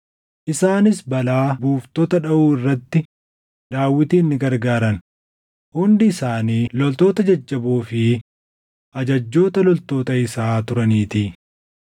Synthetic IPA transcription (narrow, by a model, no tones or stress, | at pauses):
ʔɪsaːnɪsbɐlaːbuːft̪oːt̪ɐᶑɐʔuːɪrːɐt̪ːɪ | d̪aːwːɪt̪iːnːɪɡɐɾɡaːɾɐn | hʊnd̪ɪːsaːniːlɔlt̪o̞ːt̪ɐd͡ʒɐd͡ʒːɐboːfɪ | ʔɐd͡ʒɐd͡ʒːo̞ːt̪ɐlɔlt̪o̞ːt̪ɐɪsaːt̪ʊɾɐniːt̪iː